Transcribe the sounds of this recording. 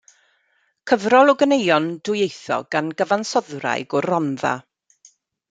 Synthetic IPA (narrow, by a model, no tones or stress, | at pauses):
kʰəvrɔlˠɔɡənejɔnd̥ʊjejθɔ̰ɡ̥anɡəvansɔðra̰jɡɔrɔnða̰